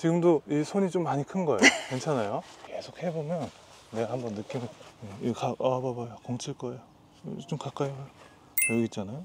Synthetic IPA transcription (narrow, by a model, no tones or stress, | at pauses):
t͡ɕiɡɯmdoisʰoɲit͡ɕomːaɲikʰɯnɡʌejokwent͡ɕʰanajoke̞sʰok̚he̞bomjʌnː | e̞ɡahambʌnːɯk͈imɡʌekaababajokoŋt͡ɕʰiɭk͈ʌejo | t͡ɕ͈omkak͈aibaj | ʌɡit̚t͡ɕ͈anajo